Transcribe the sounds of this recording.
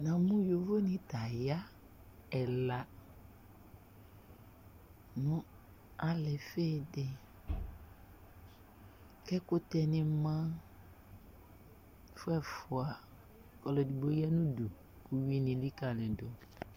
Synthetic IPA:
nã˨mũ˦jo˨vo˦nɪ̃˨t̪a˨ja˦ | ɛ˨la˨ | nʊ̃˦ | a˨lɛ˨fe˦˨de˨ | kɛ˦kʊ˦t̪ɛ˨nɪ̃˨mã˦ | fʊ˦ɛ˦fʊ˨a˨ | kɔ˨lɔ˨du˨bo˦jɛ˦nũ˦du˨ | ku˦wi˦nɪ̃˨li˦ka˨lɪ˨do˨

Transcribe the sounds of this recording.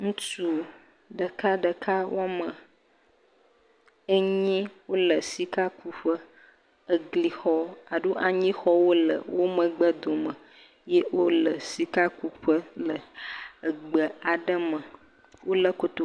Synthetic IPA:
ŋũ˦t͡ʃu˦ | ɖə˨ka˦ɖə˨ka˦wa˦mə̃˨ | ə˦ɲĩ˦wo˦lə˨si˦ka˦ku˦ɸə˦ | ə˨ɡli˨xɔ˦a˨ɖo˦ʔa˨ɲĩ˦xɔ˦wo˦lə̰˨wʔo˦mə̃˨ɡ͡bə˦d̪o˨mə̃˨ | je˦wo˦lə˨si˨ka˦ku˦ɸə˦lə˨ə˨ɡ͡bə˨a˨ɖə˦mə̃˨ | wo˦lə˦ko˨t̪o˨

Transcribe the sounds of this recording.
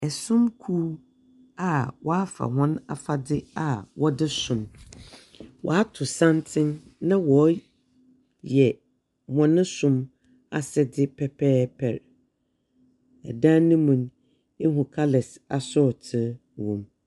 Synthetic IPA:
ɛ˨sʊ̃˦mkʰuː˦ | a˦wʔɔ˨a˦fa̰˨hɔ̃˦na̰˨fa˨dɪ˦a˨wɔ˦dɪ˦sʊ̃˨m | wʔɔ̰˨a˦tʰʊ˨sã˦ntʰɪ̃˦nːã˦wɔ˨˦ | jɛ˨ | hɔ̃˨nʊ̃˦sʊ̃˨m | a˨sɛ˦dɪ˦pʰɛ˦pʰɛː˦pʰɛ˨ɾ | ɛ̰˨dãː˦nĩ˦mũ˨n | ɪ˦ɦʊ̃˨kʰa˦lɪ˨s | a˨sɔ˦˨tʰɪ˦ | wɔ̃˨m

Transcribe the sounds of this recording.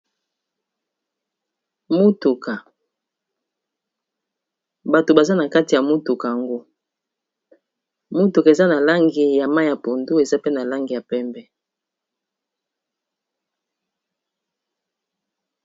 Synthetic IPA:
mu˦tu˨ka˨ | ba˨to˨ba˨za˦na˨ka˦ti˨ja˨mu˦tu˨ka˨ja˨ŋɡo˦ | mo˦tu˨ka˨e˨za˦na˨la˦ŋɡi˨ja˨ma˦˨ja˨po˨ndu˦e˨za˦pe˦na˨la˦ŋɡi˨ja˨pɛ˦mbɛ˦

